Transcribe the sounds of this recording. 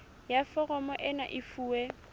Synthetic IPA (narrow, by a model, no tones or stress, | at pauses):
jafɔrɔmɔʔɪnaʔɪfuːɛ